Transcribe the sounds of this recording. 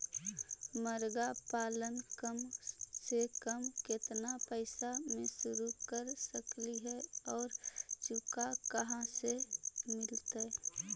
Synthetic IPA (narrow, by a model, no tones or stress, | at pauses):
məɾɡapaːlənkəmsekəmket̪napəɪsamẽsʊɾukəɾsəkliɦɛɔːɾt͡ʃukakəɦãsemɪlt̪e